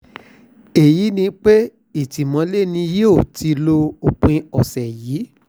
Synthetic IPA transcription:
e˨ji˨˦nĩ˧k͡pe˦ | i˨ti˨mɔ̃˨˧˦le˦˨nĩ˧˦je˦o˦˨ti˧lo˧o˨k͡pũ˧i˧ɔ˨sɛ˨jiː˨˦

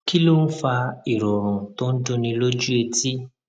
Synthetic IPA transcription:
ki˦lo˦n̩˦fa˧i˨ɾɔ˨ɾ̃ũ˨tõ˦n̩˦dõ˧nĩ˧lo˦d͡ʒu˦e˧ti˦

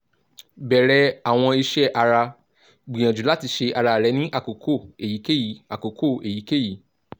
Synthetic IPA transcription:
bɛ˨ɾɛ˨˦a˨w̃ɔ̃˧i˧ʃɛ˦ʔa˧ɾa˧ | ɡ͡bĩ˨j̃ã˨d͡ʒu˨˦la˦ti˧ʃe˧ʔa˧ɾa˧˨ɾɛ˨˦nĩ˦ʔa˦˨ko˨kʰo˦˨e˨ji˨˦ke˦˨ji˨˦a˨ko˨kʰo˦˨e˨ji˨˦ke˦˨ji˨˦

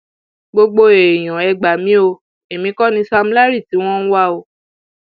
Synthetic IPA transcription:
ɡ͡bo˧ɡ͡bo˧e˨e˨j̃ɔ̃˨ɛ˧ɡ͡ba˨mĩ˨˦o˧ | e˨mĩ˨˧˦kɔ˦nĩ˧˦sa˧m̩˦la˦ɾi˦˨ti˨˦w̃ɔ̃˦ñ̩˦wa˦o˧

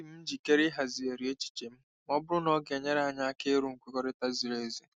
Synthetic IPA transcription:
i˨m̩˦n̩˦d͡ʒi˨ke˦ɾi˦ɦa˨zi˨e˨ɾi˨˦e˦t͡ʃi̥˨t͡ʃe˨m̩˦ | mɔ˦bʊ˦ɾʊ˦nɔ˦ɡe˨ɲe˦ɾa˨ɲa˦a˦ke˦ɾu˨ŋ̩˨kʷe˦kɔ˦ɾɪ˦ta˦zi˨ɾe˦˨zi˦

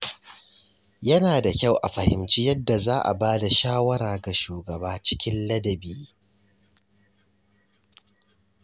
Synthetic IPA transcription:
jɐ˦naː˨da˨kʲa˦˨wʔa̰˨ɸɐ˨hɪ̰˨mt͡ʃiː˦jɐ˦dːa˨zaː˦ʔa̰˨baː˦da˨ʃaː˦wɐ˦ɾaː˨ɡa˨ʃuː˨ɡɐ˨baː˦t͡ʃɪ̥˦kʲɪ˦nlɐ˦dɐ˨biː˦

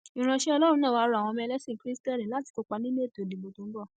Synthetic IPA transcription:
ĩ˨ɾ̃ã˧ʃe˦ɔ˧lɔ˦ɾũ˧nã˦˨wa˧˦ɾu˧a˨w̃ɔ̃˧mɛ˧lɛ˦sĩ˦˨kɾi˦stɛ˦˨lĩ˨la˨˦ti̥˧ko˧k͡pa˧nĩ˦e˦e˦˨to˨de˨bo˧tũ˧˦ɡ͡bɔ˦˨

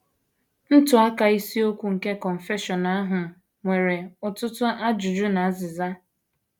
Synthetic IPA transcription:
n̩˦tʊ˨a˦ka˨i˦si˦o˦kʷu˦ŋ̩˨ke˦kɔ˨m̩˨fe˦ʃɔ˨na˦ɦʊ˨ | ŋʷe˨ɾe˨ʊ˨tʊ˦tʊ˦a˦d͡ʒʊ˨d͡ʒʊ˦na˨a˦zɪ˨za˦

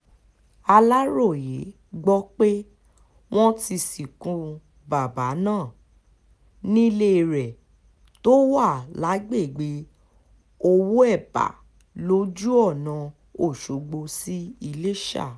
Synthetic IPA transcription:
a˧la˦ɾo˦˨je˨˦ | ɡ͡bɔ˦k͡pe˦ | w̃ɔ̃˦ti˧si˨kũ˨˧ | ba˨ba˨˦nãː˦˨ | nĩ˦le˦˨ɾɛ˨ | to˦wa˦˨la˨˦ɡ͡be˦˨ɡ͡be˨˦ | o˧wu˦ɛ˦˨ba̰˨ | lo˨˦d͡ʒu˦ɔ˦˨nã˨˧ | o˦˨ʃo˨ɡ͡bo˧si˦i˧le˦ʃa̰˦˨

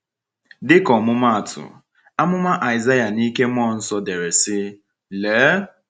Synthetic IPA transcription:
dɪ˦kɔ˨mʊ˦ma˦a˨tʰʊ̰˨ | a˦mʊ˦ma˦ʔa˨ɪ˨za˦ja˨ni˦ke˦m˦ɔ˦˨n̩˦sɔ˦de˨ɾe˨sɪ˦ | leː˨˦

